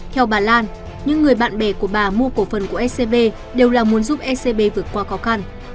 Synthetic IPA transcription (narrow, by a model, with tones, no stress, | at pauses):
t̪ʰɛ˧wɓaː˨˩laː˧n | ɲɨ̰˧˥ŋːɨ˨˩əjɓa̰ː˧˨nɓɛ˧˩ku˧˩əɓaː˨˩mu˧əko˧˩fə˨˩nku˧˩əʔɛ˦˥se˧ɓe˧ | ɗe˨˩wlaː˨˩mu˨˦ənzu˦˥p̚ʔɛ˦˥se˧ɓe˧vɨ˨˩ət̚kwaː˧xɔ˨˦xa˧n